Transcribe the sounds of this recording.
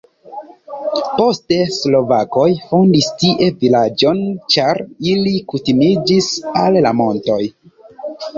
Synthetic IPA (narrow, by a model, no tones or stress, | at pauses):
po̞ste̞slo̞vako̞jfondistiʔe̞vilad͡ʒo̞nt͡ʃaɾilikutimid͡ʒisalːamo̞nto̞j